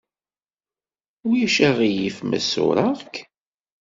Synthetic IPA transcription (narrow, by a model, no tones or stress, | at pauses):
ʊɾjæʃæʁijifmæ̰sʊ̰ɾˤɑʁk